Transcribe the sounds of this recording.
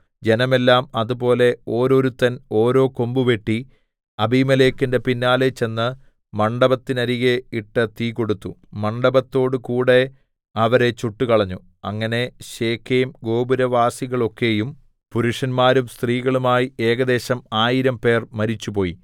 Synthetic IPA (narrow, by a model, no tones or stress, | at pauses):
d͡ʑe̞nɐme̞lːaːmɐðubo̞ːle̞o̞ːɾo̞ɾut̪ːɐno̞ːɾo̞ːko̞mbuʋe̞ʈːi | ɐbʱimɐlekːinde̞pinːaːlet͡ɕe̞nːɨ | mɐɳɖɐbɐt̪ːinɐɾiɣe̞iʈːɨt̪iːko̞ɽut̪ːumɐɳɖɐbɐt̪ːo̞ːɽɨkuːɽe̞ | ɐʋɐɾe̞t͡ɕuʈːukɐɭɐɲːu | ɐ̰ŋːɐne̞ɕe̞ːkʰːeːmɡo̞ːbuɾɐʋaːsiɣɐɭo̞kːe̞ːjum | puɾuʂɐnmaːɾumst̪riːɣɐɭumaːjie̞ːɡɐd̪e̞ːɕɐmaːjiɾɐmpe̞ːrmɐɾit͡ɕːupo̞ːjḭ